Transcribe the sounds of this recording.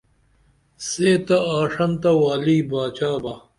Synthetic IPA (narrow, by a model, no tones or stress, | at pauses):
seːt̪ɐaːʂɐnt̪ɐwaːliːbaːt͡ɕaːba